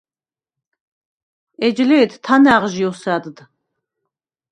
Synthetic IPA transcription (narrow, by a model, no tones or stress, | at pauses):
ɛd͡ʒlɛːt̪ʰt̪ʰanæʁʒiɔsæd̪d̪